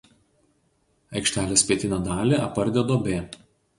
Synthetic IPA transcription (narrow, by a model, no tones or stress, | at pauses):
ɐɪkʃʲt̪ʲæːlʲeːsʲpʲiɛt̪ʲɪnʲɛd̪ɑːlʲeʔɐpːɐɾʲd̪ʲɛd̪oːbʲeː